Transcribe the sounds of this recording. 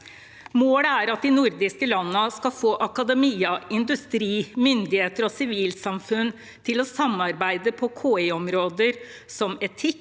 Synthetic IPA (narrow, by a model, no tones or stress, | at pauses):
moːləæɾɑt̪̚d̪ɪnʊɾd̪ɪskəlɑnːəskɑfoːʔɑkɑd̪ɛmiːəɪnd̪ʉst̪ɾiːmʏnd̪ɪheːt̪əɾɔsɪʋiːlsɑmfʉn | t̪ʰɪlɔsɑmɑɾbæɪd̪əpʰɔkʰoːeɔmɾoːd̪əɾ | sɔmɛt̪ʰɪkː